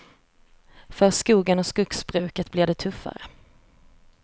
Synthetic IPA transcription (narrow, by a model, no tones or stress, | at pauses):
fœɾskuːɡənɔskɵksbɾʉ̟ːkət̪blɪɖ̪ɛt̪ʰɵfːa̰ɾə̰